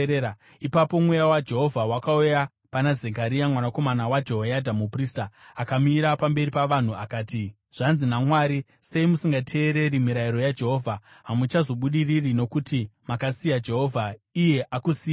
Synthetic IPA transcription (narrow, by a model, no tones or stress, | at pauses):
ipapo̞mwejawad͡ʒe̞ɦo̞vʱawakauja | panazekaɾijamwanako̞manawad͡ʒoɦojadʱamupriːstaːkamiɾapambe̞ɾipaʋan̤uakaːti | ʐ̥anzinamwaːɾi | se̞imusiŋɡatʰe̞ːɾe̞ɾimiɾaiɾo̞jad͡ʒe̞ɦo̞ːvʱa | ɦamut͡ʃazo̞ɓuɗiririno̞kutimakasijad͡ʒe̞ɦo̞vʱaije̞ʔakusiːja